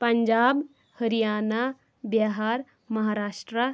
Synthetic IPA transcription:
pɐɲd͡ʒaːb | həɾijaːna | bjaɦaɾ | mɐɦaːɾaːʂʈɾə

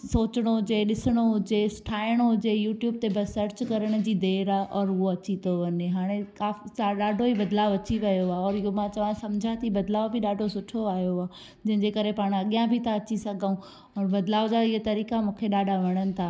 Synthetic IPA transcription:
soːt͡ɕəɽ̃oɦʊd͡ʑeɗɪsəɽ̃oɦʊd͡ʑesʊ̥ʈʰaːɪəɽ̃oɦʊd͡ʑejuːʈjuːb̚t̪ebɐsɐɾt͡ɕkɐɾəɽ̃d͡ʑiːd̪eːɾaʔɔːɾɦʊɦoɐt͡ɕit̪oʋɐɲeɦaːɽ̃ekaːfisaɗaːɖʱoibɐd̪laːʋʊɐt͡ɕiʋɐjoaɔːɾɪɦomãt͡ɕɐʋãsɐmd͡ʑʱat̪ʰibɐd̪laːʋbʱiɗaːɖʱosʊʈʰoaːijoaː | d͡ʑɐ̃ɦɪ̃ɲd͡ʑekɐɾepaːɽ̃ɐɠijãbʱit̪aɐt͡ɕisɐɡʱaũ | ɔːɾbɐd̪laːʋd͡ʑaːɪɦət̪ɐɾiːkamũːkʰeɗaːɖʱaʋɐɽ̃ənɪ̆t̪ʰaː

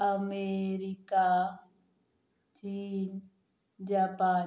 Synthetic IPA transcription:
ameɾika | t͡ʃiːn | d͡ʒapa

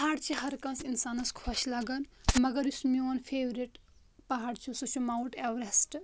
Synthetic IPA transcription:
pɦaːɽt͡ʃʰiɦɐɾkɐ̃nsinsaːnɐskʰoʃlaːɡɐnmɐɡɐɾjusmioːnfʰeːʋɾiʈ | pɐɦaːɽt͡ʃʰusut͡ʃʰumawʈeʋɾesʈ

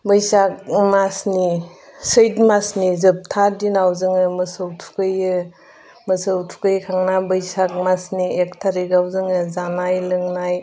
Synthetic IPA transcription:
bɯjsak̚masni | sɯjtmasnizɯp̚tʰadinawzɯŋɯmɯsɯwtʰu̥kɯjɯ | mɯsɯwtʰu̥kɯjkʰaŋnabɯjsak̚masniek̚tʰaɾiɡawzɯŋɯzanajlɯŋnaj

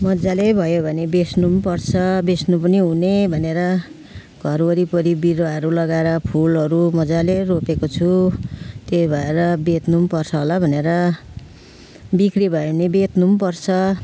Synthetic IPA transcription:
mʌd͡zalebʱʌjobʱʌnebesnumpʌrt͡sʰʌbesnupʌniɦunebʱʌneɾʌ | ɡʱʌrwʌɾipʌɾibiɾoaʌɾulʌɡaeɾʌpʰulɦʌɾumʌd͡zaleropekot͡sʰu | t̪ebʱʌeɾʌbet̪numpʌrt͡sʰʌɦolabʱʌneɾʌ | bikribʱʌenebet̪numpʌrt͡sʰʌ

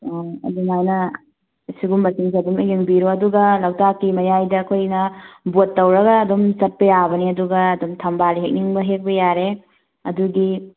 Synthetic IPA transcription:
ɐ̰duŋajnɐ | siɡumbɐtiŋs̬iɐdumijiŋbiɾoɐduɡɐlɐwtakimɐjajdɐːkʰojnɐbotːɐwɾɐɡɐːdomsɐt̚pɐjabɐniɐduɡɐːdomtʰɐmbaliɦek̚niŋbɐɦek̚bɐjaɾe | ɐduɡi

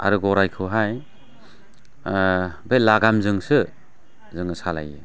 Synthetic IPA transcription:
a̰ɾɯɡɔɾajkʰɯɦaj | belaɡamzɯŋsɯ | zɯŋɯsala̰jɯ

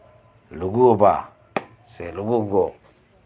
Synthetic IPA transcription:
luɡuoba | seluɡuɡo

